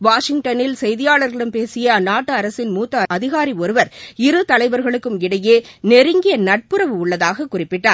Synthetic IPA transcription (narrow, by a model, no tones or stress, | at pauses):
ʋaːʂɪŋʈɐnɪlsɛjðɪjaːɭɐɾɣɐɭɯmpeːsɪjɐnaːʈːɐɐɾɐsɪnmuːt̪ːɐɐðɪɣaːɾiɔɾɯʋɐɾɪɾɯt̪ɐlɐɪbɐɾɣɐɭɯkːɯmɪɽɐjeːnɛɾɯŋɡɪjɐnɐʈ̚pɯɾɐʋɯʊɭːɐðaːɣɐkːʊrɪpːɪʈːaːɾ